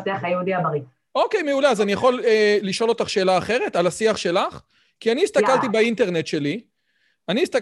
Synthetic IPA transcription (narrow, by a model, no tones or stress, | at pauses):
teaχajeud̪iabaʁi | o̞kejmeuleazanijaχo̞leːiʃo̞lo̞t̪aχʃe̞ːlaːχe̞ʁe̞t̪alasiaχʃe̞laχ | kianiːst̪akalt̪ibaint̪e̞ʁnet̪ʃe̞li | aniːst̪a